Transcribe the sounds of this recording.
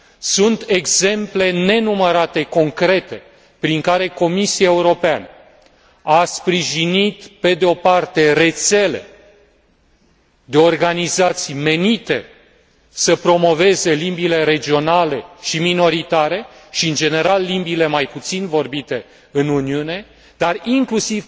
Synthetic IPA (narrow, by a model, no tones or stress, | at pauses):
sunt̪e̞ɡz̥e̞mple̞ne̞numəɾat̪e̞ko̞ŋkɾe̞t̪e̞ | pɾiŋkaɾe̞ko̞misiaeuɾo̞peanə | aspɾiʒinit̪pe̞d̪eo̞part̪e̞ɾe̞t̪se̞le̞̰ | d̪e̞o̞rɡanizat̪sijme̞nit̪e̞ | səpɾo̞mo̞ve̞ze̞limbile̞ɾe̞d͡ʒio̞nale̞ʃimino̞ɾit̪aɾe̞ʃiɨnd͡ʒe̞ne̞ɾalːimbile̞majput̪sinvo̞rbit̪e̞ | ɨnuniune̞ | d̪ariŋklusiv